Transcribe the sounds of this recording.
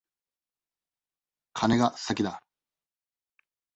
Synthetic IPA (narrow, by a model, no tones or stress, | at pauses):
kʰane̞ɡasakʲid̪a